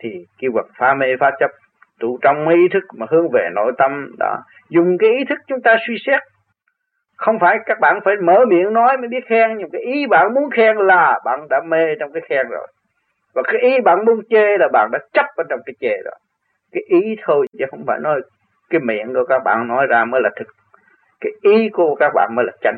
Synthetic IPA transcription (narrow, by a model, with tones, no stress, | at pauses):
t̪ʰi˨˩ki˧və˨˩t̚faː˨˦me˧faː˦˧t͡ɕə˦˥p̚ | t̪u˧˩t͡ɕɔ˧wŋ͡mma˨˦jʔi˨˦t̪ʰɨ˦˥k̚maː˨˩hɨ˨˦əŋve˨˩no̰˧˩jt̪ə˧mɗɔ̰˨˦ | zʊ˨˩ŋ͡mkaː˨˦jʔi˨˦t̪ʰɨ˦˥k̚t͡ɕʊ˨˦ŋ͡mt̪aː˧swi˧sɛ˦˥t̚ | xə˧wŋ͡mfaː˧˩jkaː˦˥k̚ɓa̰ː˧˨nfaː˧˩jməː˧˩mḭ˧˨ənnɔ˨˦jmaː˧˨˦jɓi˦˥ət̚xɛː˧ŋɲɨ˧˦mkaː˨˦jʔi˨˦ɓa̰ː˧˨nmu˨˦ənxɛ˧ŋlaː˨˩ɓa̰ː˧˨nɗa̰ː˧˥me˧t͡ɕwŋ͡mkaː˨˦jxɛ˧ŋzo̰˨˩j | vaː˨˩kaː˨˦jʔi˨˦ɓa̰ː˧˨nmu˨˦ənt͡ɕe˧˩laː˨˩ɓa̰ː˧˨nɗa̰ː˧˥t͡ɕə˦˥p̚ɓe˧nt͡ɕɔ˧wŋ͡mkaː˨˦jt͡ɕe˧˩zɔ̰˨˦ | kaː˨˦jʔi˨˦t̪ʰo˧jt͡ɕɛ̰˨˦xə˧wŋ͡mfa̰ː˧˩jnɔ˨˦j | kaː˨˦jmḭ˧˨ənku˧˩əkaː˦˥k̚ɓa̰ː˧˨nnɔ˨˦jzaː˧məː˨˦jlaː˨˩t̪ʰɨ˨˩k̚ | kaː˨˦jʔi˨˦ku˧˩əkaː˦˥k̚ɓa̰ː˧˨nməː˨˦laː˨˩t͡ɕa˧˦jŋ